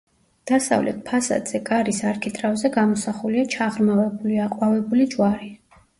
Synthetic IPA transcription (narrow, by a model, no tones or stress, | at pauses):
d̪̥asa̰vlɛ̰t̪̚ʰpʰasa̰d̪z̥ɛkʼaɾisaɾkʰit̪ʼɾavzɛɡamɔsaχuliat͡ʃʰaʁɾmavɛbuliaqʼwavɛbulid͡ʒwaɾi